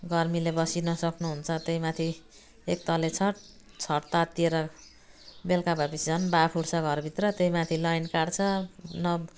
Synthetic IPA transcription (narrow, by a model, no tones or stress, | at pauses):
ɡʌrmilebʌsinʌsʌknuɦunt͡sʰʌt̪ejmat̪ʰi | ek̚t̪ʌlet͡sʰʌʈ̚ | t͡sʰʌʈt̪at̪ːieɾʌ | belkabapisit͡sʰʌnbapʰuɽt͡sʰʌɡʱʌrbʱit̪rʌt̪ejmat̪ʰilʌjnkaɽt͡sʰʌnʌ